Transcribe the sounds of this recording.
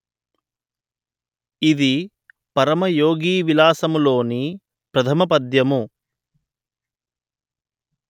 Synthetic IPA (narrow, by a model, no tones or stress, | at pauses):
id̪i | pɐɾɐmɐjoːɡiːʋilaːsɐmulo̞ːni | pɾɐt̪ʰɐmɐpɐd̪jɐmu